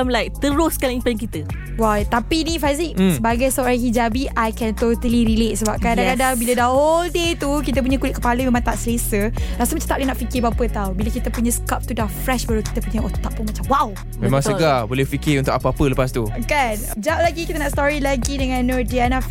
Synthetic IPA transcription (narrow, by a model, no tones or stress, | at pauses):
amlajk̚t̪əɾʊskalŋimpankit̪ə | wajt̪apinĩfaziksəbaɡajst̪ɔʔɾakid͡ʒabiʔajkɛnt̪ot̪əliɾilet̪̚səbap̚kaadakadaŋbilədahɔldet̪ukit̪̬əp̬uɲə̃kulɪt̪̚kəpalumẽmãŋt̪aʔsəlesəlasumat͡ʃat̪aʔlenaʔfikɪbapət̪awbiləkit̪əpuɲə̃skap̚t̪udafɾɛʃbaɾuki̥t̪əpuɲəot̪aʔ̚punmat͡ʃamwaw | mẽmãŋsəɡabolɛhfikɪunt̪ʊkapəapələpast̪ukan | d͡ʒap̚laɡikit̪ənaʔst̪ɔɾilaɡidəŋãnɔdianaf